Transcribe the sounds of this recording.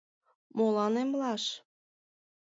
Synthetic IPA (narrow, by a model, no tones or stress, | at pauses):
molɑnemlɑʃ